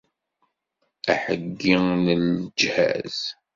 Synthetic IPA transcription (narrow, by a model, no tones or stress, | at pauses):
æħəɡːinəld͡ʒhæ̰z̥